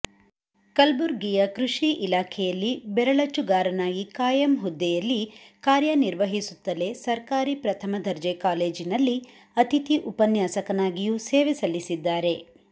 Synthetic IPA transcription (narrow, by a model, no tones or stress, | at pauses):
kɐlbuɾɡijɐkɾuʂiʔilaːkʰɛjɐlːibɛɾɐɭɐt͡ʃːuɡaːɾɐnaːɡikaːjɐmɦud̪ːɛjɐlːikaːɾjɐniɾʋɐɦisut̪ːɐle̞sɐɾkaːɾipɾɐt̪ʰɐmɐd̪ʱɐɾd͡ʒekaːle̞ːd͡ʒinɐlːi | ɐt̪it̪iʔupɐnjaːsɐkɐnaːɡijuːseːʋisɐlisid̪ːaːɾe̞